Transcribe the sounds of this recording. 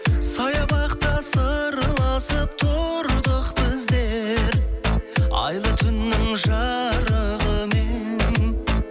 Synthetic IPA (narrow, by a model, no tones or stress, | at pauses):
sɑjɑbɑqt̪ɑsəɾəlˠɑsəp̚t̪ʰoɾd̪əqbɪzd̪eɾ | ɑ̰jlˠət̪ʰʏnːɪŋʒɑɾəʁəmen